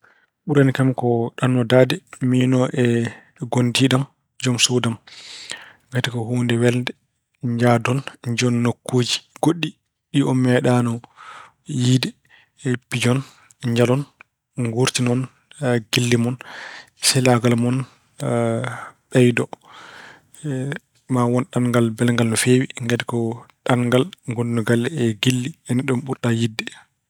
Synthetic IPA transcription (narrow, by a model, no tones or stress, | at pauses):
ɓuɾanikamkɔɗanːɔdadɛminɔʔɛ | ɡondiɗam | d͡ʒɔmsudam | ɡatikɔhuːndɛwɛlndɛ | ɲd͡ʒadɔnɲd͡ʒɔnːokːoːd͡ʒiɡ̥oɗːi | ɗiɔmɛɗanɔ | jiːdɛ | pid͡ʒɔn | ɲd͡ʒalɔn | ɡuɾtinɔn | ɡ̥ilːimɔn | sɛlaɡalmɔn | ɓɛjdɔ | mawɔnɗanŋɡalbɛlŋɡalnɔfeːwiŋɡɛdɛkɔɗaŋɡalŋɡonnɔɡalːɛɛɡilːiɛniɗɔmɓuɾɗajidːɛ